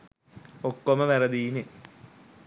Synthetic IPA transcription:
okːomɐʋɐrɐd̪iːnɨ

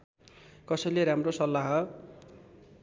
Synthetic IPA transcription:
kʌsʌjleɾamrosʌlːaɦʌ

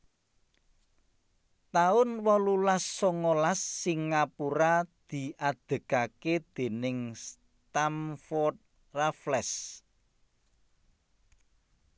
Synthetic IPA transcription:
t̪aʊnwɔlulasːoŋolasːiŋːapuɾad̪̥i̤ʔad̪̥ə̤kaked̪̥e̤nɪŋs | t̪amfɔt̪̚ | raflɛs

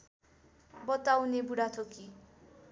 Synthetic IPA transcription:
bʌt̪awnebuɽat̪ʰoki

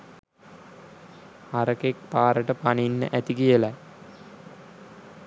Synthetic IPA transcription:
aɾəkek̚paːɾəʈəpaninːə̰ʔæt̪ikijəlæ

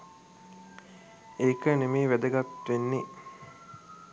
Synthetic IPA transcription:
eːkənemiːʋed̪əɡat̪ʋenːi

